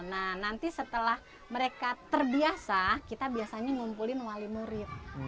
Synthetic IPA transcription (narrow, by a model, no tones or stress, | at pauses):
nahnant̪isət̪əlah | məɾekat̪ərbiasakit̪abiasaɲaŋumpulɪnwalimuɾɪt̪̚